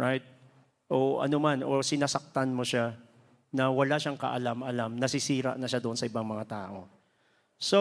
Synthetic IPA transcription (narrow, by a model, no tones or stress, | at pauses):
ɹajt̪̚ | ʔoʔɐ̰nomanʔo̞sɪnaːsɐk̚t̪anmoʃa | nɐwɐlaʃaŋkɐ̰ʔɐlamʔɐlamnɐsɪsiːɾɐ̰ʔnɐʃad̪oʔonsɐɪbaŋmɐŋat̪aːʔo̞̰ | so